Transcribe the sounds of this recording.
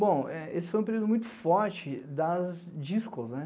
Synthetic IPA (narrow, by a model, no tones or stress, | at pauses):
bõw̃ɛesɪfojũpeɾud̪ʊmũj̃t̪ʊ̥fɔɾt͡ʃɪd̪ɐz | d͡ʒiskoznɛ